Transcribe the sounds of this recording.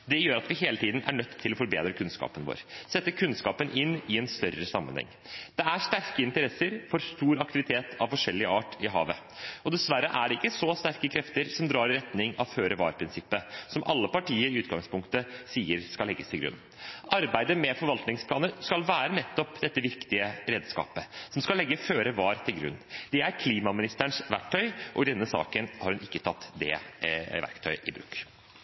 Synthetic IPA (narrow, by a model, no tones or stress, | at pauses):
d̪ɛjøːɾɑt̪ʋɪɦeːlət̪ʰiːd̪n̩æ̰ɳœt̪ʰːɪlɔfɔɾbḛːd̪ɾəkʰʉnskɑ̰ːpənʋo̰ːɾsɛt̪ːəkʰʉnskɑːpənʔɪnːɪɛnst̪œɾəsɑmːə̰nhɛ̰ŋː | d̪̥ɛæʂt̪æɾkəɪnt̪əɾɛsːəɾfɔɾst̪uːɾɑkt̪ɪʋɪt̪ʰeːt̪ʰɑʋfɔʂɛlːɪəɑːʈɪɦɑ̰ːʋə | ɔd̪ɛsʋæɾːəʔæɖɛɪkːəsɔst̪æɾkəkʰɾɛft̪əɾsɔmd̪ɾɑːɾɪɾɛt̪nɪŋɑʋføːɾəʋɑ̰ːɾpʰɾɪnsɪpːəsɔmʔɑ̰lːəpɑʈiːəɾɪʉːt̪ɡɑŋspʊŋkt̪əsiːəɾskɑllɛɡːəst̪ʰɪlɡɾʉ̰nː | ʔɑɾbæɪd̪əmɛfɔɾʋɑlt̪nɪŋspʰlɑːnəɾskɑlʋæːɾənɛt̪ːɔpd̪ɛt̪ːəʋɪkt̪ɪəɾeːd̪skɑ̰ːpəsɔmskɑlːɛɡːəføːɾəʋɑːɾt̪ʰɪlɡɾʉ̰nːd̪̥ɛæɾkʰliːmɑmɪnɪst̪əɳʂʋæk̚ʈ̪ʰœʏʔɔ̰d̪ɛnːəsɑ̰ːkənhɑɾhʉnɪkːət̪ʰɑt̪ːd̪ɛ̰ʋæ̰ɾkt̪ʰœ̰ʏʔɪbɾʉ̰kː